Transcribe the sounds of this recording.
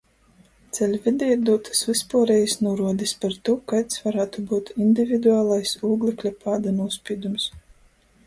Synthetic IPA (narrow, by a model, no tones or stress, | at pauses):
t̪sɛlʲvʲɛd̪ʲɛɾd̪uːt̪ʰḁsvʲɨspuːɾɛjsnuɔɾuɔd̪ispaɾt̪ukajt̪svaɾaːt̪ubuːt̪ind̪ʲivʲid̪uaːlˠajsuːɡlʲˠɛklʲapaːd̪anuɔspʲiːd̪ums